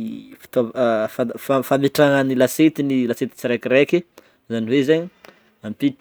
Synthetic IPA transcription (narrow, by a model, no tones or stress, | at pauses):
fi̥t̪ofafafameʈ͡ʂaŋanilaset̪inilaset̪i̥t͡siɾakiɾeki | zaniwezaɲi | ampiʈ͡ʂ